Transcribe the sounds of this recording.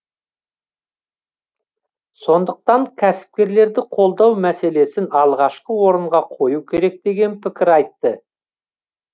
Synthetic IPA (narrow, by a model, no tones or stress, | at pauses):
so̞nd̪əq̚t̪ɑɴkʲʰæsɪ̥p̚kʲe̞ɾle̞ɾd̪ɪqʰo̞lˠd̪ɑwmæse̞le̞sɪnɑlˠʁɑʃqəwo̞ɾəɴʁɑqʰo̞jukʲʰe̞ɾe̞k̚d̪e̞ɡʲe̞npʰɪkʲɪɾɑjt̪ːə